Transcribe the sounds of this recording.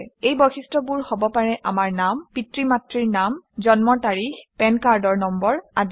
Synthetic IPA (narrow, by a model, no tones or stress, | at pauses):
ejbɔxistɹɔbuɹhɔbɔpaɹɛʔamaɹnampitɹimatɹiɹnamzɔnmɔtaɹixpɛnkaɹdɔɹnɔmbɔɹad